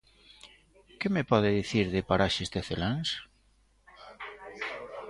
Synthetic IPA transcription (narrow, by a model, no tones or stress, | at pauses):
kemepɔðeðiθiɾðepaɾaʃezd̪eθelaŋs